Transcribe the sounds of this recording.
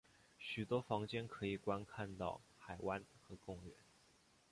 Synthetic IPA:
ɕy˨˩t̪wɔ˥fɑ˧˥ŋt͡ɕjɛ˥nkʰɤ˧˥i˨˩kwa˥nkʰa˥˧nt̪ɑ̰˥˩ʊxa˨˩ɪwʔa˥nxɤ˧˥kʊ˥˩ŋɥɛ̰˧˦n

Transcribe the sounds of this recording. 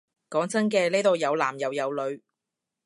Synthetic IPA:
kɔː˨˥ŋt͡sɐ˥nkɛː˧le˥t̪o˨˧wjɐ˨˧wlaː˨˩mjɐ˨˧wjɐ˨˧wlɵ˨˧ɥ

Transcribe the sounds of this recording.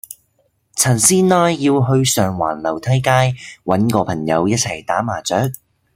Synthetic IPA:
t͡sʰɐ˨˩nsiː˥nnaː˧jːiː˧wɦɵ˧ɥsœː˨˩ŋwa̰ː˨˩nlɐ˨˩wt̪ʰɐ˥jkaː˥jwɐ˨˥nkɔː˧pʰɐ˨˩ŋjɐ̰˨˧wjɐ˥t̚t͡sʰɐ˨˩jt̪aː˨˥maː˨˩t͡sœː˨˥k̚

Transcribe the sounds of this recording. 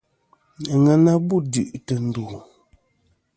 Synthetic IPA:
a˨ŋa˨na˦bu˦di˨ʔtə˨n̩˨du˨

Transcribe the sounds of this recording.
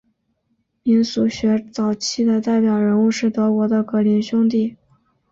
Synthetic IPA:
mi˧˥nsu˧˥ɕɥɛ˧˥t͡sɑ˨˩ʊt͡ɕʰi˥˩d̪ə˨t̪a˥˩ɪpjɑ˨˩ʊɻə˧˥nu˥˧ʂɻ̩˥˩t̪ɤ˧˥kwɔ˧˥d̪ə˧kɤ˧˥li˧˥nɕjʊ˥ŋt̪̬i˥˩

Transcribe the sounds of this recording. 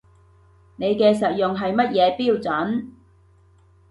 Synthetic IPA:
ne˨˧jkɛː˧sɐ˨t̚jʊ˨ŋɦɐ˨jmɐ˥t̚jɛː˨˧piː˥˧wt͡sɐ˨˥n

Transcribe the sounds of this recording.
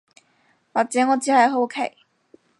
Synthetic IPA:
waː˨k̚t͡sɛː˨˦ŋɔː˨˧t͡siː˨˧˥hɐ˨jɦo˥˧kʰe˨˩j

